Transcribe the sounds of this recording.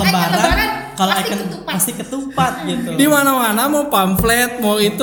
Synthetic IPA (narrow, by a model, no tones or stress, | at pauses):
əmbaɾakaloakənpast̪ikət̪upat̪̚ɡit̪udimanawanamɔpamflɛt̪̚mɔit̪u